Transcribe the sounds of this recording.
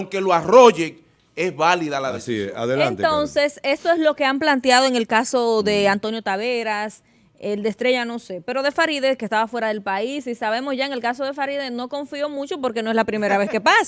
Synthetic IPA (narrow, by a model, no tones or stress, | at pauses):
ŋke̞loaroʝek | esβaliðalaðesia̰ðeleant̪t̪o̞nse̞se̞st̪o̞ezlo̞ke̞amplant̪jaðo̞e̞ŋe̞lkaso̞ðe̞ant̪o̞njo̞t̪aβe̞ɾas | eld̪est̪ɾe̞ʝano̞se̞pe̞ɾo̞ðe̞faɾiðe̞skest̪aβafweɾaðe̞lpaisisaβ̞e̞mo̞sʝaeŋe̞lkas̬o̞ðe̞faɾiðeno̞ko̞ɱfio̞mut͡ʃo̞po̞ɾkenoe̞zlapɾime̞ɾaβe̞ske̞pas